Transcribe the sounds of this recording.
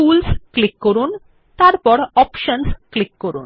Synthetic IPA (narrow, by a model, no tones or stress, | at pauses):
uːlsklikːɔɾuːn | t̪aɾpɔɾɔpʃənsklikːɔɾṵːn